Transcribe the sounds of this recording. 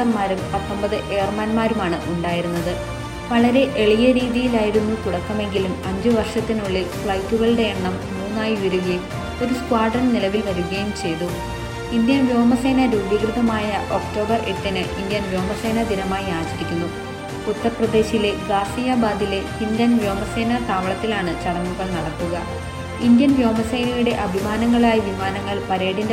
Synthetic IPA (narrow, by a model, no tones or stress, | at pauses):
ɐrmaːɾumpɐt̪ːɐmbɐðɨʔeːrmaːnmaːɾumaːɳɨʔuɳɖaːjiɾunːɐðɨ | ʋɐɭɐɾe̞ʔeɭijɐɾiːðijilaːjiɾunːut̪uɽɐkːɐme̞ŋɡilumɐɲd͡ʑɨʋɐrʂɐt̪ːinuɭːifɭɐjtːuɣɐɭɨɽe̞ːɳːɐmmuːnːaːjiʋɐɾuɣɐjum | o̞ɾuskwaːɖrɐnnilɐʋilʋɐɾuɣɐjumt͡ɕe̞jðu | ind̪jɐnʋjo̞ːmɐse̞ːnɐɾuːbjɐɡrɨðɐmaːjɐʔo̞kʈo̞ːbɐreʈːinɨʔind̪jɐnʋjo̞ːmɐse̞ːnɐd̪inɐmaːjiaːd͡ʑiɾikʲːunːu | ut̪ːɐrprɐd̪e̞ːɕile̞ɡaːsijaːbaːd̪ile̞hind̪ɐnʋjoːmɐse̞ːnɐt̪aːʋɐɭɐt̪ːilaːɳɨt͡ɕɐɽɐmːuɣɐɭnɐɽɐk̪ːuɣɐ | ind̪jɐnʋjo̞ːmɐse̞ːnɐjuɽe̞ʔɐbʱimaːnɐŋːɐɭaːjiʋimaːnɐŋːɐɭpɐɾeːɽinde